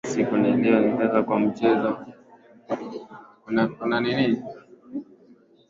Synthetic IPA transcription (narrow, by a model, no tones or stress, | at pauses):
sikuniliɔn̩tɛɣakwam̩t͡ʃɛzɔ | naunanini